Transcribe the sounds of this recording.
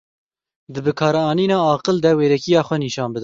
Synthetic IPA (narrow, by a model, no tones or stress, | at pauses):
d̪ɨbɨkʰɑːɾɛɑːniːnɑːɑːqɨld̪ɛweːɾɛkijɑːxʷɛniːʃɑːnbɨd̪ɨ